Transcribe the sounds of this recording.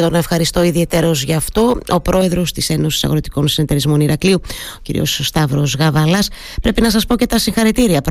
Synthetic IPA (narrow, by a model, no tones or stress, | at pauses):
t̪onɐefxɐɾist̪o̞iðie̞t̪e̞ɾo̞zʝɐft̪o̞o̞pɾo̞e̞ðɾo̞st̪ise̞no̞si̥sɐ̰ɣɾo̞t̪i̥ko̞nsine̞t̪e̞ɾizmo̞niɾɐkliuocḭɾḭo̞̰sst̪ɐvɾo̞zɣɐvɐlɐs | pɾe̞pinɐsɐspo̞ce̞t̪ɐsiŋxɐɾit̪iɾiɐpɾ